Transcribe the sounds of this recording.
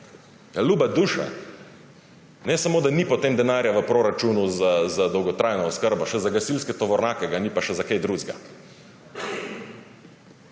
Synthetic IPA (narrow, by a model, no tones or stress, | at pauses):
jaluːbad̪uːʃa̰ | nɛsamoːd̪anipɔt̪eːmd̪ɛnaːɾjaʋəpɾoːɾat͡ʃunuzazad̪ɔwɡɔt̪ɾajnɔɔskəɾbaʃɛzaɡasilskɛt̪ɔʋɔɾnaːkɛɡanipaʃɛzakejd̪ɾuːzɡa̰